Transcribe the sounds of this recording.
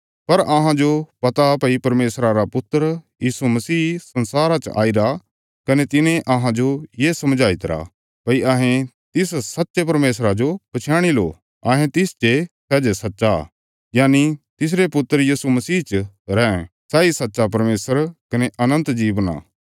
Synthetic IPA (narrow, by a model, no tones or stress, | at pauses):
pɐɾɐɦãd͡ʒopɐt̪apɐipɐɾmeːsɾaɾapʊt̪ːəɾjiːsumɐsiːsɐ̃nsaːɾat͡ʃʔa̰ːiɾa | kɐnet̪ɪnẽʔɐɦãd͡ʒojeːsɐmd͡ʒʱaːɪt̪ɾa̰ | pɐiʔɐɦẽ | t̪ɪssɐtːʃep̬ɐɾmeːsɾad͡ʒopɐt͡ʃʰjaːɽ̃ilo̰ː | ɐɦẽt̪ɪst͡ʃesɛːd͡ʒesɐtːʃa | jaːnit̪ɪs̬ɾepʊt̪ːəɾjiːsumɐsiːt͡ʃ | ɾɛ̃ː | sɛːisɐtːʃap̬ɐɾmeːsəɾkɐneʔɐnə̃nt̪d͡ʒiːbna̰ː